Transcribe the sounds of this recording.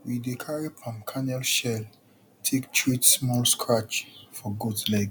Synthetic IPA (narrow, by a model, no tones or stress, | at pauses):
widekʰaɹepʰãmkʰãnɛlʃɛl | tʰektʰwitsmɔlskʰɹat͡ʃfɔɡudlɛɡ